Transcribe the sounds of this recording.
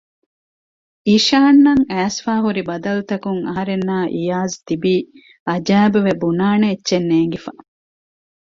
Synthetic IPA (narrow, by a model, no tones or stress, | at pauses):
iːʃaːnːɐŋæːsfaːɦuɾibɐd̪ɐlut̪ɐkuŋɐ̰ɦɐɾenːaːʔijaːzt̪ibiː | ɐd͡ʒæːbuʋebunaːneːtːʃenːeːŋɡifa